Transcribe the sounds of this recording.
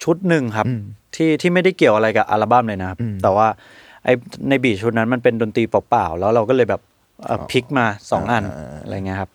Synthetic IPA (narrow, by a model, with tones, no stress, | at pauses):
t͡ɕʰu˦˥t̪̚nɯ˨˩ŋkʰa˦˥p̚t̪ʰiː˥˩t̪ʰiː˥˩ma˥˩jda˥˩jki˨˩əwʔa˧ɾa˧jkaː˨˩ʔa˧laː˧ba˥˩mlɤː˧jna˦˥kʰa˦˥p̚t̪ɛː˨˩waː˥˩ | ʔa˧jna˧jbiː˨˩t͡ɕʰu˦t̪̚na˦˥nma˧npe˧ndoː˧nt̪iː˧pa˨˦˩paː˨˩wlɛː˦˥wɾa˧wkɔː˥˩lɤː˧jbɛː˨˩p̚ | ʔə̰ː˨˩pʰi˦˥k̚maː˧sɔː˩˦ŋʔa˧na̰˧ɾa̰˧jŋi˦˥kʰa˦˥p̚